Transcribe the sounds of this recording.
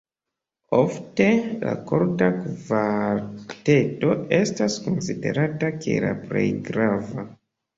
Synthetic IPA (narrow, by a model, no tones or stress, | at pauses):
o̞fte̞la̰koɾtakvaɾte̞to̞e̞stasko̞nside̞̰ɾatake̞̰la̰pɾḛjɡɾava